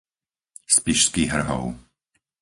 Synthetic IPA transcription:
spiʃskiːɦr̩ɦɔ̰ʊ

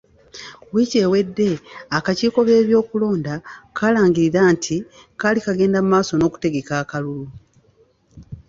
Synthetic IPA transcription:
wiːce̞ːwe̞dːe̞akaciːko̞βe̞ːβjo̞ːkulo̞ːndakʰaːlaːŋɟiɾiɾaːntʰi | kalikaɡe̞ːndamumaːso̞no̞ːku̥te̞ɡe̞kaːkalulu

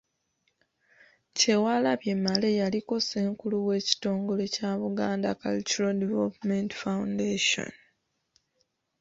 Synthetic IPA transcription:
ce̞walaβje̞mːale̞jalikose̞ːŋkuluwe̞ːci̥to̞ːŋɡo̞le̞caːβuɡaːnda̰ka̰lt͡ʃuɾadevelpmentfawundeːʃo̰n

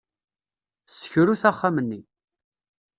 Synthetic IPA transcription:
sə̥çɾuθæχːamənːi

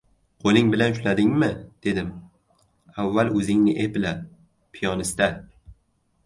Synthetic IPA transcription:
qʰolɪŋbɪlanʊʃlad̪ɪŋmɪd̪̥e̞d̪ɪm | avːalɵzɪŋnɪʔepɪla | pʰijɒnɪst̪a

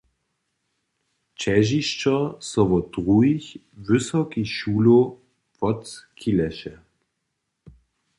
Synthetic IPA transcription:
t͡ʃɛʒiʃt͡ʃɔsɔʋɔdʁuiç | vʏsɔkiʃuːlo | pɔtkʰilɛʃɛ

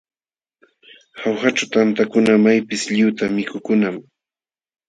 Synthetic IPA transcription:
hawxaʈ͡ʂawt̪ant̪akʊnamajpɪsʎʊwt̪amɪkʊkʊnam

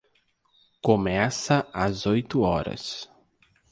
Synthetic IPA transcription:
komɛsɐazojt̪ʊɔɾɐ̰s

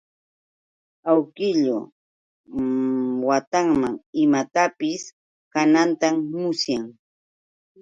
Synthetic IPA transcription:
awkɪʎo | wat̪aŋmaŋɪmat̪apɪs | kanant̪amːʊsjaŋ

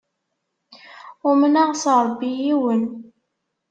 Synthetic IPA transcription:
ʊmənaʁsɾˤəbːijiwən

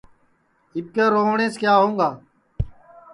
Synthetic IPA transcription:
ɪp̚keːɾoːʋɳẽːskjaːɦõːŋɡaː

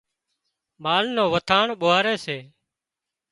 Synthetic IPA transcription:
maːlnoːʋət̪ʰaːɳɓoːaːɾeːseː

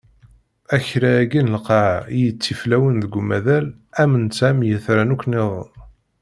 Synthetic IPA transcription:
æçɾæːɡinlqɑʕijət͡sːiflæwənðəɡʷmæðælæmənsæmjəθɾænukʷnɪðˤ

